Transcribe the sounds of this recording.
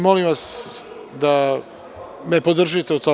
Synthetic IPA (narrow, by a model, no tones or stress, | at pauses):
molimʋas | d̪a | mepod̪r̩ʒit̪eut̪o